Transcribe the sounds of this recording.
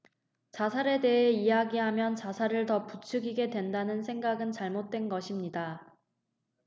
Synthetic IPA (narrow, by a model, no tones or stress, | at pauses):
t͡ɕasʰaɾe̞de̞ɦe̞ijaɡiɦamjʌnt͡ɕasʰaɾɯɭtʌput͡ɕʰɯɡiɡe̞dwe̞ndanɯnsʰe̞ŋɡaɡɯnt͡ɕaɭmot̚t͈we̞nɡʌɕʰimɲida